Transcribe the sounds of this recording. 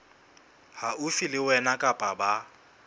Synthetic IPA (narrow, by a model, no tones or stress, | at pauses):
haʊfilɪwɛnakʼapʼaba